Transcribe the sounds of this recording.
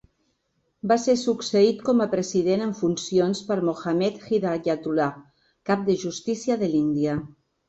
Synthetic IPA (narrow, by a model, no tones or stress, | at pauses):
basesuksəit̪kɔməpɾəziðenəɱfunsionspəɾmoxamɛt̪xiðajat̪ula | kap̚d̪əʒust̪isiaðəlind̪ia